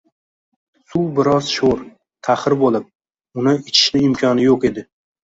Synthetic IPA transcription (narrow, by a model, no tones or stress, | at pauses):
suwbɪɾɒz̥ʃoɾ | t̪ʰaχɪɾbolˠɪp̚ | ʊnɪɪt͡ʃʰɪ̥ʃlɪɪmkʲʰɒnɪjoqe̞d̪ɪ